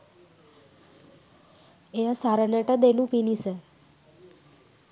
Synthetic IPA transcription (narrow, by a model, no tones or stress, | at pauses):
easaɾənəʈəd̪enũpinisə